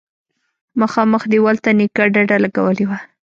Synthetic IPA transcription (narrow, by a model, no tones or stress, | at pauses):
maxɑməxd̪ewalt̪anikaɖaɖalaɡa̰wəlewa